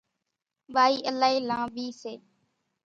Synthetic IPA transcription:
ɓaːiːʔəlaːɦiːlãːɓʱiːseː

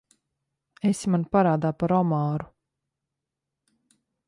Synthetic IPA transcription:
esimanpaɾaːd̪aːpaɾɔmaːɾu

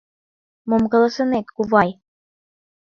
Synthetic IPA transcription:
momkɤ̆lɤ̆sɤ̆net̪kuβɑj

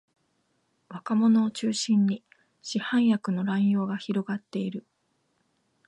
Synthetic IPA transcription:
βakamo̞no̞ːt͡ɕɨːɕĩɲ̟ːi | ɕihãɰ̃jakɯ̟no̞ɾãɰ̃jo̞ːɡaçiɾo̞ɡat̪ːe̞iɾɯ̟

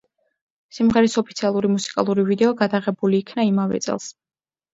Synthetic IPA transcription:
simʁɛɾisɔpʰit̪sʰialˠuɾimusi̥kʼa̰lˠuɾivid̪ɛɔɡad̪aʁɛbuliːkʰnaimavɛ̰t̪sʼɛ̰lˠs

